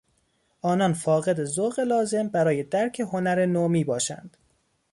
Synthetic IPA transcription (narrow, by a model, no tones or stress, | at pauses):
ʔɒːnɒnfɒːɣe̞d̪e̞zoɣe̞lɒːze̞mbæɾɒːje̞d̪æɾcʰe̞ɦo̞næɾenomiːbɒːʃæ̰nd̪̥